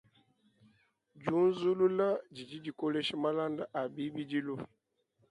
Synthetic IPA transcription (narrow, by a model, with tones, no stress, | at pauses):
d͡ʒu˦n˦zu˦lu˦la˦d͡ʒi˨d͡ʒi˦d͡ʒi˨ko˦le˦ʃi˦ma˦la˦nda˦ʔa˨bi˦bi˦d͡ʒi˦lu˦